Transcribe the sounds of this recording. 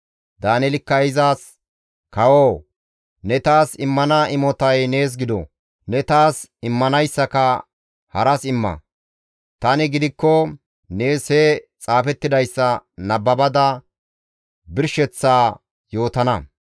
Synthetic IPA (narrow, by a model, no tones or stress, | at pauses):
d̪aːnɛlɪkːɐɪzaːs | kɐwoː | nɛt̪aːsɪmːɐnɐʔɪmɔt̪ɐjne̞ːs̬ɡɪd̪ɔ̰ | nɛt̪aːsɪmːɐnɐjsːɐkɐ | hɐɾɐsɪmːɐ̰ | t̪ɐnɪɡɪd̪ɪkːɔ | ne̞ːshɛt͡sʼaːfɛt̪ːɪd̪ɐjsːɐnɐbːɐbɐd̪ɐ | bɪɾʃɛt͡sːaː | jo̞ːt̪ɐnɐ